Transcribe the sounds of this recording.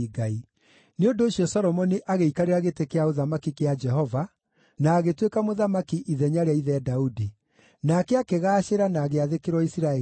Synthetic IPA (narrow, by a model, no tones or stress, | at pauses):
ɡai | neondoːɕjɔsɔɾɔmɔniʔaɣeikaɾeɾaɣetekeaoðamakikead͡ʒɛɦɔva | naːɣetwekamoðamakiʔiðɛɲaɾeaiðɛdaudi | nakɛakeɣaːɕeɾanaːɣeaðekeɾwɔisiɾaɛ